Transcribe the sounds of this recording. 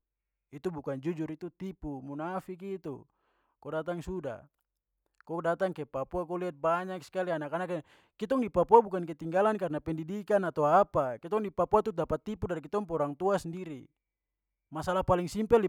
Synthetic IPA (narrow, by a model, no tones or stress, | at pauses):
it̪ubukand͡ʒud͡ʒurit̪ut̪ipumunafik̬it̪ṵ | kɔdat̪aŋsuda̰ | kɔdat̪aŋkepapuak̬ɔliat̪̚baɲaksi̥kalianakanak | kit̪ɔŋdipapuabukanket̪iŋɡalankarnapɛndidikanat̪awapakit̪ɔŋdipapuat̪udapat̪ːipudaɾikit̪ɔŋpɔɾaŋt̪uasɛndiɾḭ | masalahpaliŋsimpɛli